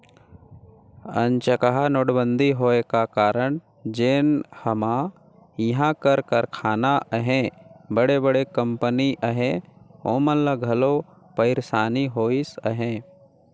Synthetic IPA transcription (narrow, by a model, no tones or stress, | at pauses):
ə̃nt͡ʃəkaɦanoːɽbə̃nd̪ʱiɦoːekakaːɾəɳ̃ | d͡ʒeːnhəma | jɐɦãkəɾkəɾkʰaːnaʔɦẽbəɽebəɽekə̃mpəniʔəɦẽoːmənləɡʱɐlo | pəɪɾsaːniɦoːisə̰ɦẽː